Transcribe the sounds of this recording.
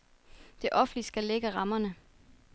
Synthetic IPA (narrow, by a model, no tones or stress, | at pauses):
d̥e̝ʔɒ̽fn̩lisɡ̥æleɡ̥əʁɑ̈mɐnə